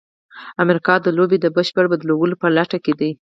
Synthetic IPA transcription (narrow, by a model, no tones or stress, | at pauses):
amɾikɑd̪əlobed̪əbəʃpəɽbad̪lowəlopəlaʈaked̪əj